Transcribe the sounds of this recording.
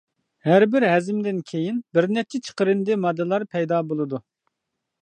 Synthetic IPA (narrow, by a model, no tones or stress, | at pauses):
hæɾbɪɾɦɛzɪmd̪ɪnkʲʰejinbɪɾnɛp̚t͡ʃʰɛt͡ʃʰə̥qəɾɨnd̪ɪmɑd̪ːɨlˠɑɾpʰɛjd̪ɑːbolˠɨd̪u